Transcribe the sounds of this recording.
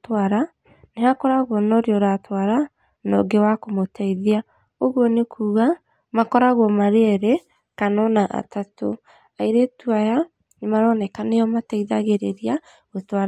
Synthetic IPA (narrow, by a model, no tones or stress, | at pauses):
twaɾa | nehakɔɾaɣɔnɔɾjɔɾatwaɾa | nɔ̰ɡewakomotaiðia | oɣɔnekʰuːɣa | makɔɾaɣɔmaɾeɛɾɛ | kanɔnaʔa̰tato | aiɾetuaja | nemaɾɔnɛkanejɔmataiðaɣeɾeɾia | ɣotwaɾ